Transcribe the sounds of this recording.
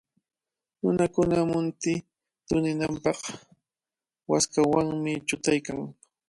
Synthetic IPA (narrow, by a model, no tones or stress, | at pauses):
nʊnakʊnamʊnt̪ɪ | t̪ʊnɪnampɑχ | waskawaŋmɪt͡ʃʊt̪ajkaŋ